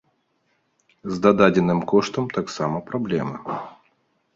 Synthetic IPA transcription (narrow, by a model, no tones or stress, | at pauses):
zd̪ad̪ad͡zʲɛnɨmkɔʂt̪ɐmt̪aksamɐpɾablʲɛmɨ